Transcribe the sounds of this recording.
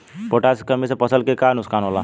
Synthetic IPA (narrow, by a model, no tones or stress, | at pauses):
poʈaskəmisʰapʌsəlkekanuskanɦola